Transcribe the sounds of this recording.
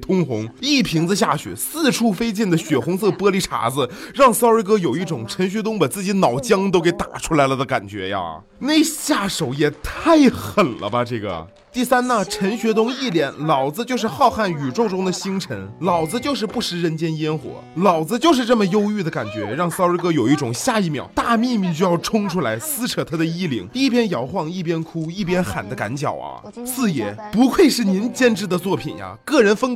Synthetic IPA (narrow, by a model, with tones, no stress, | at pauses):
t̪ʰʊ˥ŋxʊ˧˥ŋi˥˩pʰi˧˥ŋd͡z̩˧ɕ̬ja˥˩ɕɥɛ̰˨˩˦sɹ̩˥˧ʈ͡ʂʰu˥˩fe˥ɪt͡ɕjɛ˥˩nd̪ə˩ɕɥɛ˨˩xʊ˧˥ŋsɤ˥˩pɤ˥li˥˩ʈ͡ʂʰa̰˧˥d͡zɹ̩˧ɻɑ˥˩ŋsɑ˥ə˧˥kɤ˥jo˨˩ʊi˥˩ʈ͡ʂʊ˨˩ŋʈ͡ʂʰə˧˥nɕ̬ɥɛ˧˥t̪ʊ˥ŋpə˨˩t͡sɹ̩˥˩t͡ɕi˧˥nɑ˨˩ʊt͡ɕjɑ˥ŋt̪o˥ʊke˧˥ɪt̪a̰˨˩ʈ͡ʂʰu˥la˧˥ɪlə˧d̪ə˧ka̰˨˩nt͡ɕɥɛ̰˧˥ja̰˧ | ne˥˧˩ɪɕja˥˩ʂo˨˩ʊjɛ˨˩t̪ʰa˥˩ɪxə˨˩nlə̰˦bɐ˧ʈ͡ʂɤ˥˩ɡə̰˩ | t̪i˥˩sa˥nə˨ʈ͡ʂʰə˧˥nɕɥɛ˧˥t̪ʊ˥ŋi˥˩ljɛ˧˥nlɑ˨˩ʊd͡zɹ̩˧t͡ɕjo˥˧ʊʂ̬ɻ̩˥˧xɑ˥˧ʊxa˥˩ny˨˩ʈ͡ʂʊ˥˩ŋʈ͡ʂʊ˥ŋd̪ə˨ɕi˥ŋʈ͡ʂʰə˧˥nlɑ˨˩ʊd͡zɹ̩˧t͡ɕjo˥˧ʊʂ̬ɻ̩˥˧pu˥˩ʂɻ̩˧˥ɻə˧˥nt͡ɕjɛ˥njɛ˥nxwɔ̰˧˥˦lɑ˨˩ʊd͡zɹ̩˦t͡ɕjo˥˧ʊʂɻ̩˥˧ʈ͡ʂə˥˩mə˩jo˥ʊy˥˩d̪ə˩ka̰˨˩nt͡ɕɥɛ̰˧˥ɻɑ˥˩ŋsʊɻə˧˥kɤ˥jo˨˩ʊi˥˩ʈ͡ʂʊ˨˩ŋɕja˥˧i˥˩mjɑ̰˨˩˦ʊt̪a˥˧mi˥˧mi˥˩t͡ɕy˥˧jɑ˥˩ʊʈ͡ʂʰʊ˥ŋʈ͡ʂʰu˥la˧˥ɪsɹ̩˥ʈ͡ʂʰɤ˨˩t̪ʰa˥d̪ə˧i˥˩lḭ˨˧˩ŋi˥˩pjɛ˥njɑ˧˥ʊxwɑ˥˧ŋi˥˩p̬jɛ˥nkʰu˥i˥˩pjɛ˥nxa̰˨˩nd̪ə˦ka̰˧˥nt͡ɕjɑ̰˨˩ʊɐ̰˧ | sɹ̩˥˩jɛ˧˥pu˧˥kʰwe˥˧ɪʂɻ̩˥˩ni˧˥nt͡ɕjɛ˥nʈ͡ʂɻ̩˥˩d̪ə˩˧t͡swɔ˥˩pʰḭ˨˩nja̰˧kɤ˥˩ɻə˧˥nfə˥ŋ